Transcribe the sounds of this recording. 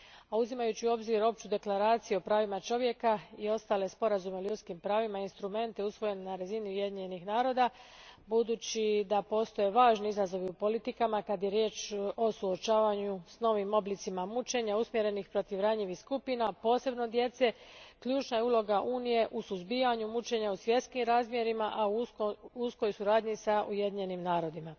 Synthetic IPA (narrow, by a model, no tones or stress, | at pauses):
auzimajut͡ɕio̞bziɾo̞pt͡ʃud̪e̞klaɾaːt̪sijuo̞pɾaːʋimat͡ʃo̞ʋje̞kaio̞st̪aːle̞spo̞ɾazume̞ʎut̪skimpɾaːʋimainst̪ɾume̞nt̪e̞usʋo̞je̞nenaɾaziniuje̞d̪iɲenixnaːɾo̞d̪abud̪uːt͡ɕid̪apo̞ːst̪o̞je̞ʋaːʒniizazo̞ʋiupo̞lit̪ikamakad̪je̞ɾje̞ːt͡ʃo̞suo̞t͡ʃaːʋaɲusno̞ʋimo̞blit̪simamut͡ʃe̞ɲausmje̞ɾe̞nixpɾo̞t̪iʋɾaɲiʋiskupinapo̞ːse̞bno̞d̪je̞t̪se̞kʎuːt͡ʃnajeulo̞ɡaʔuːnije̞ʔusuzbijaɲumut͡ʃe̞ɲausʋje̞d̪skimɾaːzmje̞ɾimaʔauusko̞jsuɾaːd̪ɲisaʔuje̞d̪iɲe̞nimnaːɾo̞d̪ima